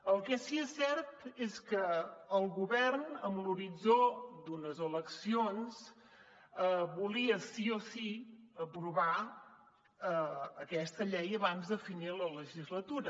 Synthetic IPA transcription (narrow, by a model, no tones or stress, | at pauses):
əlˠkɛsiɛsɛrt̪eskəːlˠɣuβɛrnəmluɾid͡zod̪unəzələksions | əβuliəsiosiəpɾuβa | əəkɛst̪əʎɛjəβanzd̪əfinilələʒizlət̪uɾə